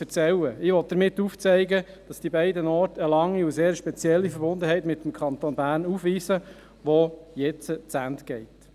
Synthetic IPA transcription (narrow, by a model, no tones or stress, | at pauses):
fət͡sɛlːəɪʋɔt̚d̥əɾmɪtːuft͡sɛɪɡə | d̥ɑsd̥ibɛɪdənɔːɾtəlɑŋːiuseːɾʃpɛt͡sjɛlːifəɾbʊnd̪əɦɛɪtmɪt̪ːəmkʰχɑnt̪oːnbæːrnufʋiːsə | ʋɔjɛt͡sət͡sæntɡ̥ɛɪt